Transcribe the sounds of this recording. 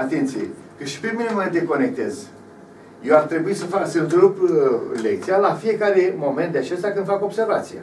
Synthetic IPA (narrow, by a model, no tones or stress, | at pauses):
at̪ent̪sijḛ | kɨʃi̥peminʲemoment̪d̪eko̞nek̚t̪e̞z | jewart̪ɾe̞buisəfaksɨnt̪ɾuplek̚t̪sijalafie̞kaɾemo̞ment̪d̪eat͡ʃe̞st̪jakɨnfako̞bse̞rvat̪sija̰